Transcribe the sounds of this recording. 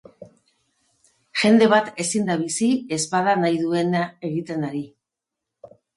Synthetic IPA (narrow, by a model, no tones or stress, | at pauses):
ʝe̞nd̪e̞β̞at̪e̞sind̪aβ̞isie̞zpað̞anajðue̞nae̞ɣit̪e̞naɾi